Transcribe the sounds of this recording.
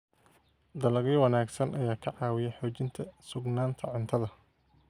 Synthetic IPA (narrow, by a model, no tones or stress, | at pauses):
d̪ɐlɐɣiːwɑnaːɡsɐnʔɐjaːkʰɐʕɑːwɪjɛjħɔːt͡ʃɪnt̪ʰɐsʊɡnaːnt̪ʰɐʕʊnt̪ʰɐðɐ